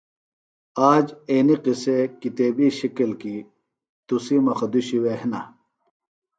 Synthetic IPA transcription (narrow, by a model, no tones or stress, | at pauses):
aːd͡ʑeːniqisekit̪eːbiɕikɐlki | t̪usimɐxɐd̪uɕiwehna̰